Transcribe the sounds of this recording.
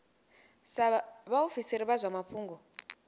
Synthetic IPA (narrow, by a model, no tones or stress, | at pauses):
saβaofisiɾiβazʷamapʰuːŋɡɔ